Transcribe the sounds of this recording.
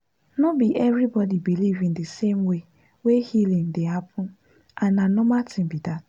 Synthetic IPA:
nobiʔɛvɾibɔdibilivĩŋdesemwe | wehilĩŋdeɦapʰʊ̃n | ananomatĩmbidat̚

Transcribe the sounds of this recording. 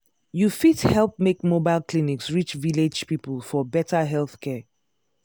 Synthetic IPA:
jufithɛlˠp̚mekmobaɪlˠkliniksɹit͡ʃviled͡ʒpipəl̩ˠfɔbɛtəɦɛlˠθkʰɛ

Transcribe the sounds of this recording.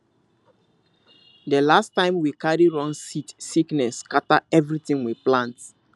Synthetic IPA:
dəlastãɪ̃mwikaɹiɹãnsitsiknɛskataɛvɹitĩŋwiplãnt

